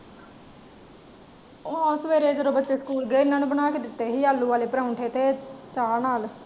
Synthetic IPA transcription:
oɔsʋeːɾeːd͡ʒəɾoːbətːt͡ʃeːsə̥kuːlɡeːnaːnũːbənaːkɪd̪ɪt̪ːeːɦiːaːlːuːʋaːleːpɾaːʊɳʈʰeːt̪eːt͡ʃaːnaːl

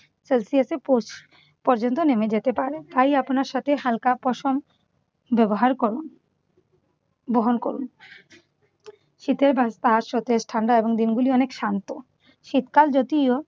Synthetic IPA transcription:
selsiesepo | pɔɾd͡ʑont̪̬onemed͡ʑet̪epaɾet̪ajapnaɾʃat̪ʰeɦalkapɔʃom | bɛboɦaɾkoɾun | boɦonkoɾṵn | ʃit̪eɾbast̪aɦaʃot̪esʈʰaɳɖaeboŋd̪inɡuliɔnekʃant̪o | ʃit̪kald͡ʑot̪io

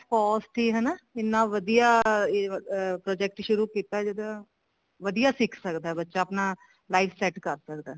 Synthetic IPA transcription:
kɔːsʈ̪ʰiɦɛnaɪnːãʋəd̪ijaː | pɾɔːd͡ʒɛk̚ʈʃʊɾuːkiːt̪aɛd͡ʒɪd̪a | ʋəd̪ijaːsɪkʰsəkd̪aɛbətːʃaːəpnaː | laːiʋsɛʈkəɾsəkd̪aɦ

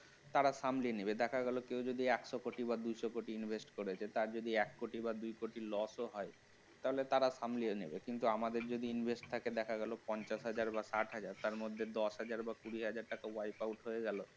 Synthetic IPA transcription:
t̪aɾaʃamlinebed̪ɛkʰaɡɛlokewd͡ʑod̪iɛkʃɔkoʈibad̪ujʃɔkoʈiinbʱesʈkoɾet͡ɕʰet̪aɾd͡ʑod̪iɛkːoʈibad̪ujkoʈilɔsoɦɔe | t̪aɦolet̪aɾaʃamlionḛbekint̪uamad̪eɾd͡ʑod̪iinbʱesʈ̚t̪ʰaked̪ɛkʰaɡɛlopɔnt͡ɕaʃɦad͡ʑaɾbasaʈɦad͡ʑaɾt̪aɾmod̪ʱːed̪ɔʃɦad͡ʑaɾbakuɾiɦad͡ʑaɾʈakawajpawʈɦojeɡɛlo

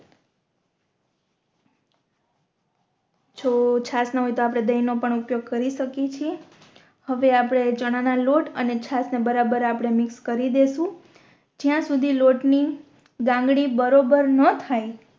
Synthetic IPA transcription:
d͡ʒʰot͡ʃʰasnəɦojt̪oapɽ̃ed̪əjnopəɳupjoɡ̚kəɾiʃəkit͡ʃʰie | həʋeapɽ̃ed͡ʒəɽ̃analoʈə̰net͡ʃʰasnebəɾabəɾapɽ̃emɪkskəɾid̪eʃũ | d͡ʒjãsud̪ʱiloʈni | ɡãŋɡɽibəɾobəɾnət̪ʰaj

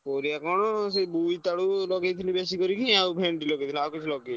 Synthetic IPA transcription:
poɾiakɔnɔs̬ebujt̪aɽulɔɡejt̪ʰinibesikɔɾikʰiawbʱeɳʈilɔɡejt̪ʰiniawkit͡ʃʰilɔɡe

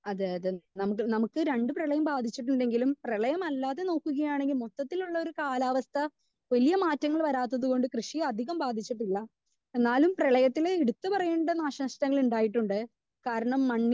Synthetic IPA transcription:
ɐðɨɐðenɐmukːɨnɐmukːɨɾe̞ɳɖɨprɐɭɐjɐmbaːd̪ʱit͡ɕːiʈːuɳɖe̞ŋɡilumprɐɭɐjɐmɐlːaːðe̞no̞ːkːuɣɐjaːɳe̞ŋɡilmot̪ːɐt̪ːiluɭːɐo̞ɾukaːlaːʋɐst̪ʰɐ | ʋɐlijɐmaːtːɐŋːɐɭʋɐɾaːt̪̬ːɐðuɣo̞ɳɖɨkrɨʂiɐd̪ʱiɣɐmbaːd̪ʱit͡ɕːiʈːilːɐ | e̞nːaːlumprɐɭɐjɐt̪ːileiɽut̪ːɨpɐrɐjeːɳɖɐnaːɕɐʂtɐŋːɐɭuɳɖaːjiʈːuɳɖɨ | kaːɾɐɳɐmːɐɳː

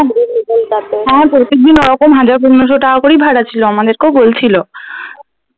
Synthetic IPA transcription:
laɦɛ̃pɾot̪ek̚d̪inoɾɔkomɦad͡ʑaɾp̬unnːoʃ̬oʈakakoɾibʱaɽat͡ɕʰiloamad̪eɾkeobolt͡ɕʰilo

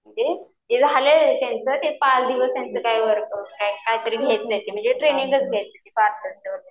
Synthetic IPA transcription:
məɳd͡ze | ed͡zəɦalesent͡sət̪epasd̪iʋəsent͡səkajʋəɾkəkajkaɦit̪əɾiːɡʱet̪̚d͡zajt̪im̤əɳd͡zeʈɾenĩŋɡət͡sɡʱaj̪d͡zat̪ipaɾt̪ət̪aʋəɾe

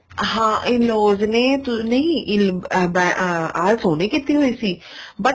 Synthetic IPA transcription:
ɦãːʔɪloːzneːt̪ʊnɐĩʔɪlbɛ̃aːlsoːneːkɪt̪ːiɦoːiːsiː | bəʈ

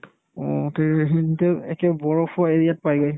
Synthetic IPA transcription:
ɔteɹɦintɛɛkɛbɔɹɔpʰeɹiat̚pajɡɔj

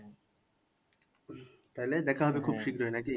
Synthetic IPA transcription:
t̪aɦiled̪ɛkʰaɦɔbekʰubʃikɾoenaki

